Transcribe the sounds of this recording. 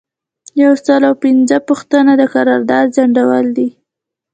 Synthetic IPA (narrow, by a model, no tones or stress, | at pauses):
jawsəlawpinzəpuxt̪ənad̪əkaɾɑɾd̪ɑd̪zaɳɖawəld̪i